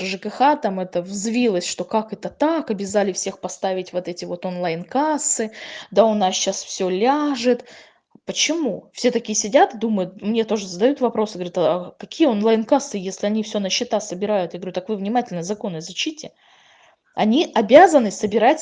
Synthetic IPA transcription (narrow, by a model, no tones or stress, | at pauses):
ʐɨkɨxat̪amɛt̪əvzvʲilˠəsʲʂt̪o̞kakɛt̪ət̪akɐbʲɪzalʲɪfsʲe̞xpɐst̪avʲɪtʲvo̞t̪ɛtʲɪvo̞t̪onlˠajnkasːɨd̪aʊnasɕasfsʲolʲaʐɨt̪ | pət͡ɕɪmufsʲe̞t̪ɐkʲijəsʲɪdʲat̪ɨd̪uməjʊt̪̚mnʲe̞t̪o̞ʐɨzəd̪ɐjut̪vɐpɾo̞sɨɡəvɐɾʲat̪ɐkɐkʲijəonlˠajnkasːɨjesʲlʲɪɐnʲifsʲonəɕːɪt̪asəbʲɪɾajʊt̪jaɡəvɾʲut̪ːakvɨvnʲɪmatʲɪlʲnəzɐko̞nɨzɐɕitʲɪ | ɐnʲiʔɐbʲazənɨsəbʲɪɾatʲ